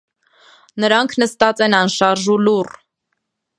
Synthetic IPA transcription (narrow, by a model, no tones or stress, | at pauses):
nəɾɑŋkʰnəst̪ɑt͡sɛnɑnʃɑɾʒulur